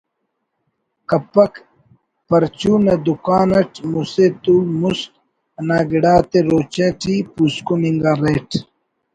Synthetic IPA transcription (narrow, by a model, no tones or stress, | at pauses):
kɐpːɐk | pɐɾt͡ʃuːned̪ukaːnɐʈʰmuset̪ulmust̪̚ | ɐnaːɡiɽaːt̪eɾoːt͡ɕeʈʰipuskumiŋɡaːɾeːʈʰ